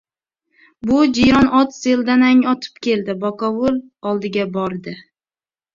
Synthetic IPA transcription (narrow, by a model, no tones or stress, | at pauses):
bʊd͡ʒijɾɒnɒt̪se̞ld̪anaŋɒt̪ʰɪ̥pkʲʰe̞ld̪ɪbɒkɒwʊl | ɒlˠd̪ɪɡʲabɒɾd̪ɪ